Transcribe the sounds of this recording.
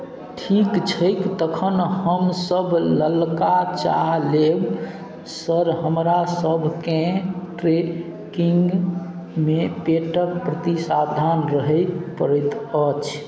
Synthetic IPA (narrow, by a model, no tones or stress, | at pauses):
ʈʰikt͡ʃʰəjkt̪əkʰənhəmsəbʱləlkat͡ʃa̰ɦleb | səɾɦəmɾasəbʱkẽʈɾe | kiŋɡ | mepeʈəɾpɾət̪isabd̪ʱanɾəɦəjpəɾət̪ət͡ʃʰ